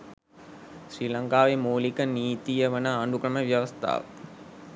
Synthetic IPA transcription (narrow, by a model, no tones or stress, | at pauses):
ɕriːlaŋkaːʋemuːlikəniːt̪ijəʋənəːɳɖukɾəməʋjɐʋɐst̪ʰa̰ːʋə̰